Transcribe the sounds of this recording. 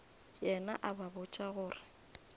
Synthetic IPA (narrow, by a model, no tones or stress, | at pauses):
jɛnaʔababʊt͡ʃʼaɣʊːrɪ